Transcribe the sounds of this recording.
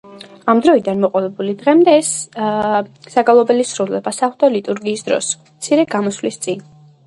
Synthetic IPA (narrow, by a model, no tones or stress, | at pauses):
amd̪ɾɔid̪anmɔqʼɔlɛbulid̪ʁɛmd̪ɛːs | aɡalˠɔbɛlisɾulɛbasaχd̪alit̪ʼuɾɡiːsd̪ɾɔ̰smt̪sʰiɾɛɡamɔslist̪sʼin